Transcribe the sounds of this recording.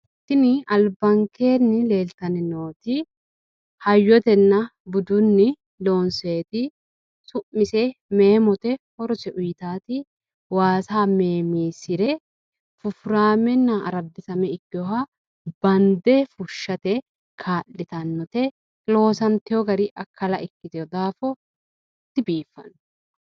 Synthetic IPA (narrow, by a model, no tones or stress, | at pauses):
t̪ːɪnɪɐlbɐŋke̞ːnːɪle̞ːlt̪ɐnɪnoːt̪ɪ | hɐjːɔt̪ɛnːɐbʊd̪ʊnːɪ | lo̞ːnse̞ːt̪ɪ | sʊʔːɪsɛmeːmɔt̪ɛhɔɾɔsɛʔʊjt̪aːt̪ɪ | waːsaːmeːmiːsɪɾɛ | fʊfʊɾaːmɛnːɐɐ̰ɾɐd̪ːɪsɐmɛɪkːɪɔhɐ | b̥ɐnd̪ɛfʊʃːɐt̪ɛ | kʰaːʔːɪt̪ɐnːɔt̪ɛ | lo̞ːsɐnt̪ɪjɔɡɐɾiʔɐkːɐlɐʔɪkːɪt̪ɛɔd̪aːfɔ | t̪ːɪbiːfːɐ̰n